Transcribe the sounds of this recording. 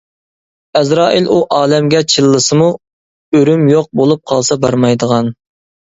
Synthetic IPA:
ɛzɾɑːʔiluʔɑːlɛmɡʲɛt͡ʃʰilˠːɨsɨmu | øɾymjoq̚bolˠup̚qʰɑlˠsɑbɑɾmɑjd̪əʁɑn

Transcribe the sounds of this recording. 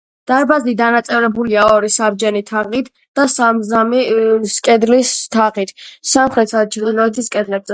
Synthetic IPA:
d̪̥aɾbazlid̪anat̪sʼɛvɾɛbuliaɔɾisabd͡ʒɛnit̪ʰaʁit̪ʰ | d̪̥asamzamiskʼɛd̪list̪ʰaʁit̪ʰsamχɾɛt̪ʰsat͡ʃʰɾd̪ilɔɛt̪ʰiskʼɛd̪lɛbzɛ

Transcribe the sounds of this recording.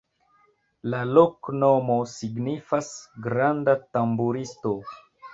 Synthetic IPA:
laloknomo̞siɡnifasɡɾandatambuɾisto̞

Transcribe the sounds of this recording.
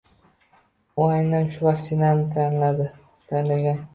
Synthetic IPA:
ʊajnanʃʊvakt̪ʰɪnanɪt̪ʰanlad̪ɪ | t̪ʰanlaɡʲan

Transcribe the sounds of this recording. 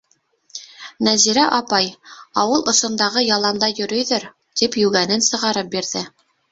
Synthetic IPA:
næziɾæʔɑpɑjɑwɤlˠʔŏsŏnd̪ɑʁɤjɑlˠɑnd̪ɑjɵ̆ɾɵ̆jðɘɾ | t̪ipjʉɡænɘnsɤ̆ʁɑɾɤp̚biɾðɘ

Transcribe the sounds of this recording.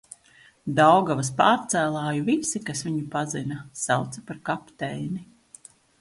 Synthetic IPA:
d̪awɡavaspaːɾt̪sæːlˠaːjuvisikasʋiɲupazinɐsawt̪sɐ̥paɾkapt̪ɛjni

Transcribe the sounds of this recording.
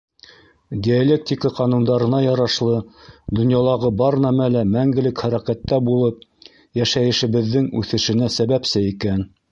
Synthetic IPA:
d̪ʲialʲek̚t̪ʲikəqɑnund̪ɑɾɤ̆nɑjɑɾɑʃlˠɤd̪ŏnjɑlˠɑʁɤbɑɾnæmælæmæŋɡɘ̆lɘkχæɾækæt̪ːæbulˠɤp̚ | jæʃæjɘ̆ʃɘ̆βɘ̆ðːɘŋʉθɘ̆ʃɘ̆næsæβæpsɘikæn

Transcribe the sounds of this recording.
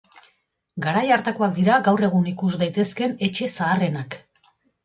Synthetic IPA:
ɡaɾajaɾt̪ako̞ak̚d̪iɾaɡawre̞ɣ̞unikuzd̪ajt̪e̞ske̞ne̞t͡ʃe̞saːre̞nak

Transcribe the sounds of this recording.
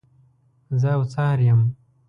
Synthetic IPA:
zəwt͡sɑːɾjam

